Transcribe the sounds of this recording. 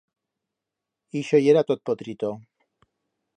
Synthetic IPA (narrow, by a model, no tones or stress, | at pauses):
iʃojeɾat̪ot̪̚pot̪ɾit̪o